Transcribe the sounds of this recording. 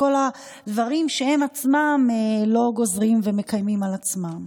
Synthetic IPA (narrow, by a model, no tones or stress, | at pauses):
o̞la | d̪vaʁimʃe̞he̞mat͡smamelo̞ɡo̞zʁimveme̞kajmimalat͡smam